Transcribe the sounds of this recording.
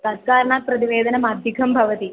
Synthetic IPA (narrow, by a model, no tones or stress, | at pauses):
t̪at̪kaːɾɐɳaːt̪̚pɾɐt̪iʋeːd̪ɐnɐmad̪ʱjikʰɐmbʱɐʋɐt̪i